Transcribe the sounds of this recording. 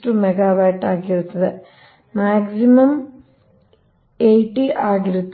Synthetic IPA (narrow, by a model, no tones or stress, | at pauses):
ʈumeɡaːʋaːʈːaːkːiɾunːɐðɨ | maːɡsimɐm | ejʈːiʔaːɡɾit̪ː